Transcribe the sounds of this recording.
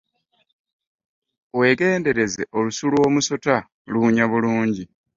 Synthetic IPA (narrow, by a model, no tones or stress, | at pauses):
we̞ɡe̞ːnde̞ɾe̞ze̞ʔo̞lusulwo̞ːmuso̞ta | luɲaβuluːɲɟi